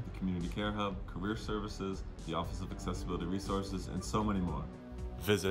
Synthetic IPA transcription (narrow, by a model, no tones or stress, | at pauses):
ðɨkʰmjʉnɨɾikʰɛɹɦɛlˠb̚kʰə˞ɪɹsɜ˞vɨsɪz | ðiɔfəsʌvɨksɛsəbɪlˠəɾiɹisɔɹsɨzɨ̰̃nsoʊmɛ̃ɾ̃imɔ̰ɹ | vɪzɨ